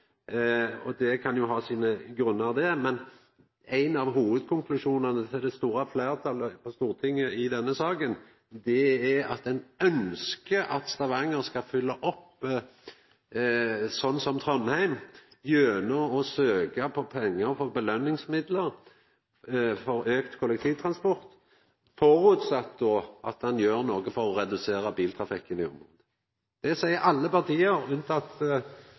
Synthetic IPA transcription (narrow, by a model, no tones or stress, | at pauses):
ɔd̪ɛkʰɑnjʊɦɑːsiːnəɡɾʉnːəɾd̪ɛmɛn | æɪnɑʋɦuːʋəd̪kʰʊŋklʉʃuːnɑnət̪ʰɪld̪ɛst̪uːɾɑfleːɾt̪ʰɑləfɔst̪uːʁt̪ʰɪŋːəɪd̪ɛnːəsɑːkən | d̪ɛɛɑt̪ɛɪnœnskəʔɑt̪st̪ɑʋɑŋəɾskɑfʏlːəʔɔpː | sɔnːsɔmt̪ʰʁɔnhæɪmjøːnəɔsøːkɑpʰɔpʰɛŋːəʁfɔbəlœnːɪŋsmɪd̪ləʁ | fɔɾøːkt̪kʰʊlɛk̚t̪ʰiːʋt̪ʰʁɑnspɔʁt̪ | fɔʁʉːt̪sɑt̪̚ːd̪ɔːʔɑ̰t̪hɑnjøːʁnoːɡəfɔʁɔʁɛd̪ʉseːʁɑbiːlt̪ʰʁɑfɪkːənɪɔ̰mʁoːd̪ə | d̪̥ɛsæɪəɾʔɑlːəpɑʁt̪ʰiːəɾʉnt̪ɑt̪